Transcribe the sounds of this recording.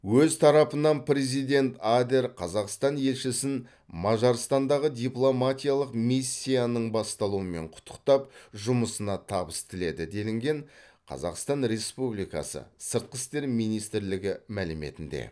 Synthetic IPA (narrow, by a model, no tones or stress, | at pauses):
wɵzt̪ʰɑɾɑpənɑnpɾe̞zijd̪ʲe̞nt̪ad̪e̞ɾqʰɑzɑqst̪ɑnje̞lʃɪsɪn | mɑʒɑɾst̪ɑnd̪ɑʁəd̪ʲiplˠo̞mat̪ʲijalˠəqmisʲːijanəɴbɑst̪ɑlˠuəme̞ɴqʰʊ̥t̪ʰːə̥qt̪ɑpʒʊməsənɑt̪ʰɑbəst̪ʰɪle̞d̪ɪd̪e̞lɪŋɡʲe̞ɴqʰɑ̰zɑ̰qst̪ɑnɾe̞spublijkɑ̰sə̰səɾt̪̚qəst̪e̞ɾmijnijst̪ɪɾlɪɡʲɪmælɪme̞̰t̪ɪnd̪ḛ